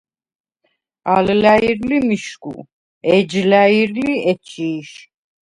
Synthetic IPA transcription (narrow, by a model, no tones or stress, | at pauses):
aləlaiɾlimiʃkṵ | ɛd͡ʒlæjiɾliɛt͡ʃʼiːʃ